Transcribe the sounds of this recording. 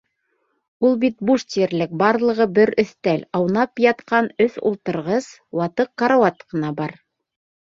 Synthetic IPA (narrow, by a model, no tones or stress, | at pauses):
ulˠbit̪̚buʃt̪iɘ̆ɾlɘk̚bɑɾlˠɤ̆ʁɤbɘɾɵ̆θt̪ælɑwnɑpjɑt̪qɑnɵθṵlˠt̪ɤ̆ɾʁɤs | wɑt̪ɤqːɑɾawɑt̪qɤ̆nɑbɑɾ